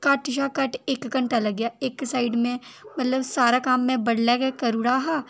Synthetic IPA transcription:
kaːʈɪʃakɐʈeːkːɐɳʈalɐɡjaːeːksaːɪɖmẽmɐt̪ləbsaːɾakaːmːẽbɐɽlɛkekɐɾuɽaːɦaː

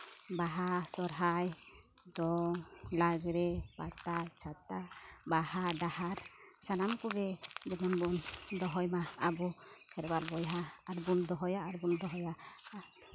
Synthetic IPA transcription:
baɦasɔɾɦaj | d̪ɔlaɡɾɛpat̪at͡ʃʰat̪abahaɖahaɾsanamkɔɡɛd͡ʒɛmambɔʔnd̪ɔɦɔjmaabukʰɛɾbaɾbɔjɦaːɾbund̪ɔɦɔjaʔaɾbund̪ɔɦɔja

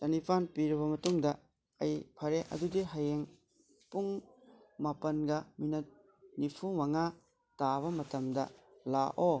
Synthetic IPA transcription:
tɐnipʰanpiɾɐβɐmɐtuŋdɐ | ɐjpʰɐɾeʔɐ̰dudiɦɐjeŋ | puŋ | mapɐnɡɐminɐt̚ | nipʰumɐŋa | taβɐmɐtɐmdɐlaʔo

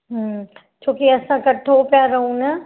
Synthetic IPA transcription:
ɦm | t͡ʃʰoːkiɐsãkɐʈʰopjaɾɐɦũnɐ

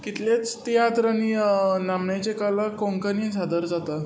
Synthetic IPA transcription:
kit̪let͡st̪ijat̪ɾaninamɳat͡ɕekələkoŋkənĩsad̪əɾd͡zat̪a

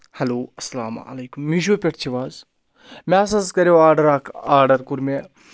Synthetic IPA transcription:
hɐloːɐsɐlaːm̰ɐ̰lejkumːiʒoːpʲeʈʰt͡ʃʰiʋaːz | mɛɐs̬ɐzkɐɾoaːɾɖɐɾaːkʰaːɾɖɐɾkuɾme

